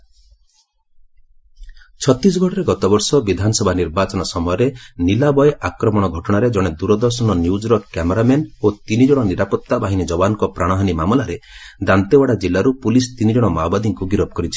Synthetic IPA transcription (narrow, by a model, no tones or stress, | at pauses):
t͡ʃʰɔt̪ɾis̬ɔɡʱɔʈɔɾeɡɔt̪ɔbɔɾsɔbid̪ʱanɔsɔbʱaniɾbat͡ʃɔnɔsɔmɔjɔɾenilabɔjakɾɔmɔɽ̃ɔɡʱɔʈɔɽ̃aɾed͡ʒɔɽ̃ed̪uɾɔd̪ɔɾsɔnɔnjud͡ʒɾɔkkːameɾamenot̪inid͡ʒɔɽ̃ɔniɾapɔt̪ːabaɦinid͡ʒɔbanɔŋkɔpɾaɽ̃ɔɦanimamɔlaɾed̪ant̪ewaɽad͡ʒilːaɾupulis̬t̪inid͡ʒɔɽ̃ɔmawbad̪ʱiŋkuɡiɾɔpɔkɔɾit͡ʃʰi̥